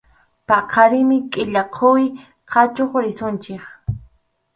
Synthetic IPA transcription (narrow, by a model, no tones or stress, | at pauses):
pɑqʰɑɾɪmɪkʼɪʎaqʰoj | qʰɑt͡ʃoχɾɪsʊnt͡ʃɪχ